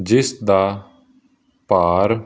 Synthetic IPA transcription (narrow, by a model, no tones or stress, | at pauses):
d͡ʒɪsd̪a | paːɾ